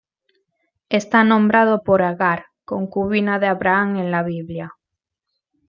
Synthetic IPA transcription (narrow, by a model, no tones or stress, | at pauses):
est̪anõmbɾað̞opoɾaɣaɾ | koŋkuβinaðeaβɾaaŋẽŋlaβiβlja